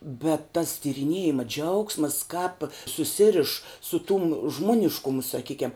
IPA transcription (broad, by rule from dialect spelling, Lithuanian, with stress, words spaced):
bʲɛt tɐs tʲiːrʲɪˈnʲiɛjɪmɐ ˈd͡ʒʲɛʊksmɐs kɑːp sʊˈsʲɪrʲɪʃ sʊ tʊm ˈʒmoːnʲɪʃkʊmʊ sɐˈkʲiːkʲɛm